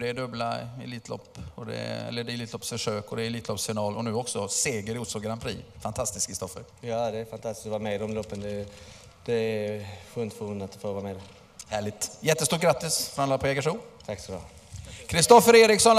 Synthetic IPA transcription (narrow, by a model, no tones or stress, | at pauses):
d̪ɛːɖɵblaɪliːt̪ʰlɔ̰pːɔd̪ɛ̰ɛ̰lːəɖɛɪliːt̪ʰlɔpsfœʂøːkɔd̪ɛːliːt̪lɔpsfɪnɑːlɔnʉ̟ːɔksɔseːɡəɾuːt̪sɔɡaɾampʰɾḭːfant̪ʰast̪ɪskʰɾɪst̪ɔfəɾ | jɑːd̪ɛːɾfant̪ʰast̪ɪ̥skt̪ɔvɑːɾmɛd̪ɔmlɔpːənd̪ɛ | d̪̥ɛæfɵnt̪fɔɵnat̪d̪ɛ̥foːɾvaːɾmɛd̪ɛ | hæːɭɪt̪jɛt̪ːəst̪uːʈ̚ɡɾat̪ːɪsfɾamlɑːpʰɔɛːɡaʂuːt̪ʰaksɔbɑ̰ | kʰɾɪst̪ɔfːəɾeːɾɪksɔn